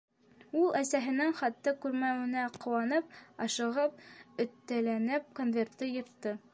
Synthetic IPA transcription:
ulˠʔæsæɦɘ̆nɘŋχɑt̪ːɤkʉɾmæwɘ̆næqŏwɑnɤp̚ɑʃɤ̆ʁɤp̚ɵ̆t̪ːælænɘp̚konvʲert̪ːɤjɤ̆ɾt̪ːɤ

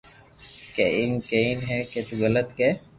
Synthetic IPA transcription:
keʔiŋkeinɦɛket̪uɣələt̪ke

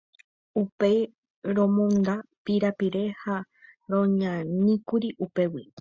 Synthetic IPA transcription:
upej | ɾõmõnd̪apiɾapiɾe̞ha | ɾõɲãnĩkuɾiʔupe̞wi

